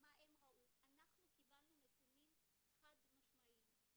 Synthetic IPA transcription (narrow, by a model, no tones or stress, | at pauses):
maʔemʁaʔuanaχnukibalnunetunim | χadmaʃmaʔim